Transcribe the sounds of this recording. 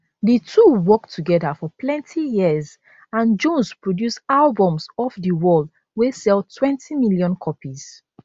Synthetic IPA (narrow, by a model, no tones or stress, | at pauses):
ditʰuwɔktʰuɡɛdafɔplɛ̃ntʰijiəz | ãnd͡ʒɔ̃nspɹodjusalbɔ̃msɔfdəwɔld | wesɛlˠtʰwɛ̃ntimiljɔ̃nkʰɔpiz̥